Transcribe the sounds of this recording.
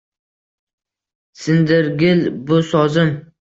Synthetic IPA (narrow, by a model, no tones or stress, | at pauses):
sɪnd̪ɪɾɡʲɪlbʊsɒzɪm